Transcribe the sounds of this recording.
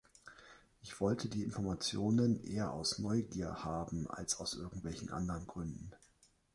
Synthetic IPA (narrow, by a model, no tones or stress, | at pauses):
ʔɪçv̥ɔltʰədiːɪnfɔɐmat͡sjoːnənʔḛːɐʔa̰ʊsnɔʏɡiːɐhaːbm̩ʔa̰lsaʊsʔɪɐɡŋ̩tv̥ɛlçn̩ʔa̰ndəʁənɡʁʏndn̩